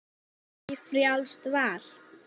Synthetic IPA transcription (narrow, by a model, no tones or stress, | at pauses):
ifrjawlst̪vaːl̥